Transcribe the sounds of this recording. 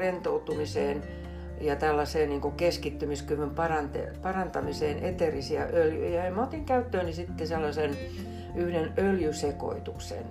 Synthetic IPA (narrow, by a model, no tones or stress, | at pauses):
rent̪out̪umiseːn | jɑt̪ælːɑseːnniːŋkukeskit̪ːymiskyʋympɑrɑnt̪ḛpɑrɑnt̪ɑmiseːnʔet̪erisiɑʔøljy̰jɑ̰jɑemot̪iŋkæyt̪ːøːnisit̪ːeselːɑsen | yhdenøljyseko̰it̪uksḛn